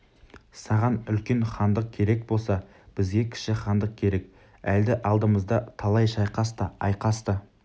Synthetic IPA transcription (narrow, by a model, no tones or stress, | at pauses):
sɑʁɑnʏlkʲe̞nχɑnd̪əq̚kʲʰe̞ɾe̞kbo̞lˠsɑ | b̥ɪzɡʲe̞kʲʰɪ̥ʃɪχɑnd̪əq̚kʲʰe̞ɾe̞k | æld̪ɪʔɑlˠd̪əməzd̪ɑt̪ʰɑlˠɑjʃɑjqɑst̪ɑɑjqɑst̪ə